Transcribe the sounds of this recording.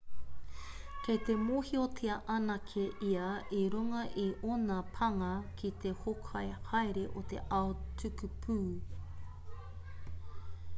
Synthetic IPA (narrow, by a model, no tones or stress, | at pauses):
kejt̪emoːhiotʰiɐʔɐnɐkʰeʔiɐʔiɾuŋɐʔeʔonɐpʰɐŋɐkʰit̪ehokʰɐjhɐeɾeʔot̪ḛʔaotʰʉkʉpʰuː